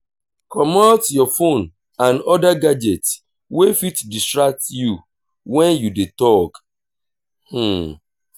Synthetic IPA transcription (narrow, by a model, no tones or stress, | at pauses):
kʰɔmɔtjɔfon | ãnɔdaɡad͡ʒɛt | wefitdistɹak̚tju | wɛ̃njudetɔk | h̩